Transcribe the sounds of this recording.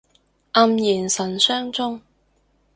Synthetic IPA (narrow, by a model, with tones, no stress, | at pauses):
ʔɐ˧mjiː˨˩nsɐ˨˩nsœː˥ŋt͡sʊ˥ŋ